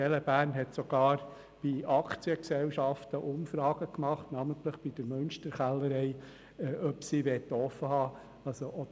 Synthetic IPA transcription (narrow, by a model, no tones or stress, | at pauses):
ɛləbæːɾnɦɛtsɔɡ̥ɑːɾ | b̥iɑkt͡siəksɛwʃɑft̪əʔʊmfɾɑːɡ̥əkmɑχtnɑmənt̪ləχb̥id̥əɾmɵnʃtəɾχælːəɾɛɪ | ɛʔœpsiːʋɛt̪ɔfəhɑː | ɑlsoʔɔd̪